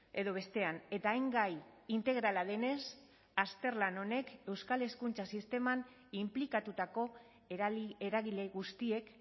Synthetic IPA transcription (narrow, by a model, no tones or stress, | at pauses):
e̞ðo̞β̞e̞st̪e̞ane̞t̪aːjŋɡajint̪e̞ɣ̞ɾalaðe̞ne̞s | ast̪e̞ɾlano̞ne̞ke̞wskale̞skunt͡sasist̪e̞man | implikat̪ut̪ako̞ | eɾaɣile̞ɣust̪ie̞k